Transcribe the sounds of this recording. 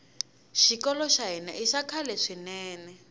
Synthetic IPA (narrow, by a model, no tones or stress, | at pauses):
ʃikɔlɔʃaɦina̰ʔiʃakʰalɛʂinɛːnɛ